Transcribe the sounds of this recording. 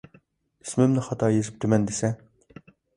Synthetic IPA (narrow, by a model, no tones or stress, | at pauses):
ismɪmnɪχɑt̪ʰɑːjezɪp̚t̪ʰymɛnd̪esɛ